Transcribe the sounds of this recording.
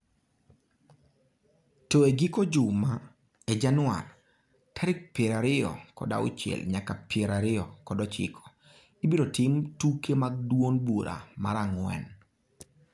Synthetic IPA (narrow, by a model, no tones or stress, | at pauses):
tɔeɡikod͡ʒʊma | ed͡ʒanwa̰l | kʰaɾɪk̚pjeɾaɾɪɔ̰kɔ̰da̰ʊ̰t͡ʃɛ̰lɲakapjeɾaɾɪɔkɔdɔt͡ʃɪ̰kʰɔ̥ | ibiɾotɪmtukemaɡ̚dwonbuɾa̰ma̰ɾaŋwɛ̰n